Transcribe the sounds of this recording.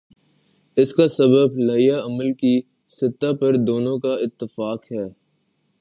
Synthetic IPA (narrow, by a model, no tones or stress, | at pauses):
ɪskasɐbəblaːjaɐməlki | sɪt̪ːapɐɾd̪oːnõkaɪt̪ːɪfaːkɦɛː